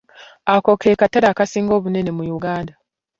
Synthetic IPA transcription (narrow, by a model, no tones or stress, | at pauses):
ako̞kʰekataɾaːkasiːŋɡo̞ːβune̞ne̞mujuɡaːnda